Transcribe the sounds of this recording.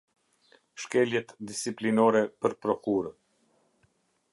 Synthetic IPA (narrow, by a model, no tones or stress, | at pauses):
ʃkɛljɛt̪d̪isiplinɔɾɛpəɾpɾɔkuɾən